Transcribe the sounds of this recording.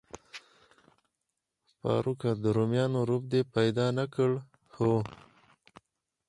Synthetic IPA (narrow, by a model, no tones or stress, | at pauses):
pɑ̰ːɾʔukad̪əɾomjɑnoɾup̚d̪epajd̪ɑnakəɽ | ho